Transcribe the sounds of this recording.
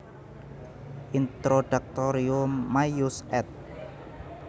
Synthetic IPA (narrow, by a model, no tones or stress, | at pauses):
ʔint̪ɾoɖ̥a̤k̚t̪oɾiʊmːajusɛt̪̚